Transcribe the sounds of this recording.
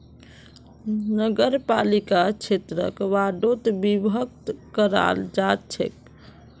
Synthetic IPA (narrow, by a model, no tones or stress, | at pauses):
nəɡəɾpalikat͡ʃʰet̪ɾə̰kʋaɖot̪bibʱək̚t̪kəɾa̰ld͡ʒat̪t͡ʃʰḛk